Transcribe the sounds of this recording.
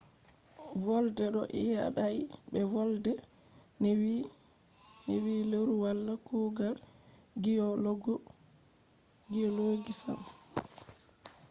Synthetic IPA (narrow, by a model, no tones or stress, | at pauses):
vɔldɛɗɔ̰ʔɛ̰ja̰ɗajɓɛvɔldɛ | n | newiːlewɾuwalːakuːɡal | ɡiɔloɡɔ | ɡijɔloːɡisa̰m